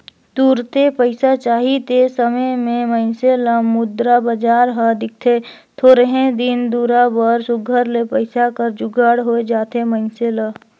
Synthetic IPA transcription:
t̪uːɾt̪epəɪsat͡ʃaːɦit̪esəməjmẽməɪnseləmʊd̪ɾabəd͡ʒaːɾɦəd̪ɪk̚ʰt̪ʰe | t̪ʰoːɾəɦẽd̪ɪnd̪uːɾabəɾsʊɡʱəɾlepəɪsakəɾd͡ʒʊɡʱaːɽɦoed͡ʒaːt̪eməɪnselə

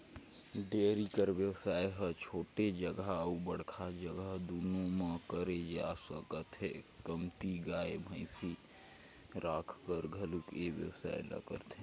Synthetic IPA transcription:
ɖeɾikəɾbjəwsaːjɦət͡ʃʰoʈed͡ʒəɡaubəɽkʰad͡ʒəɡəɦd̪unoməkəɾed͡ʒasəkət̪ɦekəmt̪iɡaːebʱə̃ɪsi | ɾakʰkəɾɡʱəlukeʋjə̰wsa̰ːelə̰ɡə̰t̪ʰe

